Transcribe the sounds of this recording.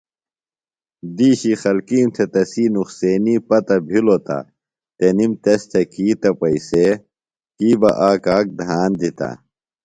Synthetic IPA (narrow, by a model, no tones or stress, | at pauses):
d̪iːɕixɐlkiːmt̪ʰet̪ɐsiːnuxseːnipɐt̪ɐbʱilot̪ɐ̰ | t̪enimt̪est̪ʰɐkiːt̪ɐpɐise | kiːbɐ̰ʔaːkaːk̚d̪ʱaːnd̪it̪a̰